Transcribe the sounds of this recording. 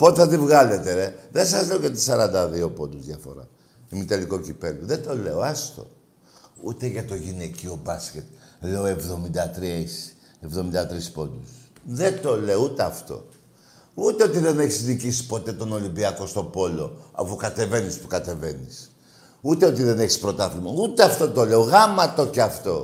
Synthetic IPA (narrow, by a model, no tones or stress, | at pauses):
po̞t̪θɐt̪ivɣɐle̞t̪e̞eðensɐzle̞oʝɐt̪i̥sɐɾɐnd̪ɐðio̞po̞d̪uzʝɐfo̞̰ɾɐ̰ | imit̪eliko̞cipe̞luðet̪o̞le̞o̞ɐst̪o̞̰ | ut̪e̞ʝɐt̪o̞ʝinecio̞bɐscet̪̚leo̞e̞vðo̞mind̪ɐt̪ɾiɐisi̥ | evðo̞mind̪ɐt̪ɾispo̞d̪usðe̞t̪o̞le̞out̪eɐft̪o̞̰ | ut̪eo̞t̪iðe̞ne̞çisnicisi̥po̞t̪e̞t̪o̞no̞limbiɐko̞st̪o̞po̞lo̞ɐ̰fukɐt̪e̞ve̞nispu̥kɐt̪e̞ve̞nis | ut̪e̞o̞t̪̬iðe̞neçi̥spɾo̞t̪ɐθlimout̪eɐft̪o̞t̪o̞le̞o̞ɣɐmɐt̪o̞ceɐft̪o̞